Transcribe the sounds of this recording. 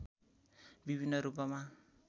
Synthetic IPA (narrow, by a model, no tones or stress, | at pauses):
biβinaɾubama